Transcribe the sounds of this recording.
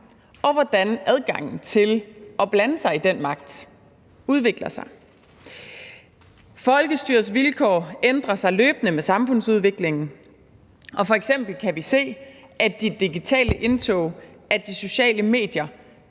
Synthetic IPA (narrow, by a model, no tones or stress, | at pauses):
ʔɒ̽ʋɒd̥ænʔæð̞ˠɡ̥ɑ̈ŋ̰n̩t͡sʰe̝lɒ̽b̥lænəsɑ̈ɪid̥en̰mɑ̈ɡ̥̚d̥ | uð̞ˠʋe̝ɡ̥lɐsɑ̈ɪ | fɒ̽lɡ̥əsd̥yːɐ̰sʋilkʰɒ̰ːend̥ʁɐsɑ̈ɪløːb̥nəmesɑ̈mfɔ̽n̰suð̞ˠʋe̝ɡ̥le̝ŋn̩ | ʔɒ̽fɒ̽eɡ̥sem̰b̥l̩kʰæʋise̝̰ːʔæd̥id̥iɡ̥it͡sʰɛ̰ːləʔe̝nt͡sʰɔ̰ʊʔæd̥iso̝ɕɛ̰ːləme̝̰ːd̥jɐ